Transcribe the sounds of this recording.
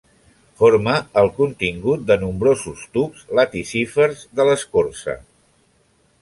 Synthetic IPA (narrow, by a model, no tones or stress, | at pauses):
foɾməəlˠkunt̪iŋɡut̪̚d̪ənumbɾozust̪upz̥lat̪isifəɾzðələskoɾsə̰